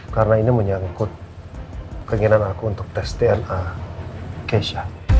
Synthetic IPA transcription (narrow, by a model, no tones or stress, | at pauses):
kaɾənainəməɲaŋkʊt̪̚ | kəŋənanakuːnt̪ʊk̚t̪ɛst̪eɛna | keʃa